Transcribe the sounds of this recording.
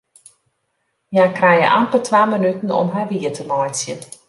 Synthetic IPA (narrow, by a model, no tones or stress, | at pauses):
jaːkrɛjə̰ʔampəltʰʋaːmənytn̩ɔ̰mɦaʋiətʰəmɔjnsjən